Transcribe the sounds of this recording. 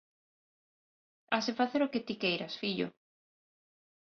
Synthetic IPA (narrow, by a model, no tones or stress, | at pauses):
asefaθeɾʊket̪ikejɾɐsfiʎʊ̰